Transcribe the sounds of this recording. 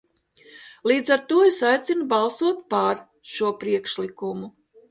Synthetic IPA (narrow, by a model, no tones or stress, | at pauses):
lˠiːd̪zaɾt̪uɔesajt̪sinubɑlˠsuɔt̪̚paɾ | ʃuɔpɾiɛkʃlikumu